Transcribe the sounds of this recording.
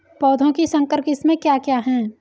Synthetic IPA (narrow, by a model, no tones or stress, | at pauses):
pɔːd̪ʱõkisɐ̃ŋkəɾkɪsmẽkjaːkjaːɦɛ̃ː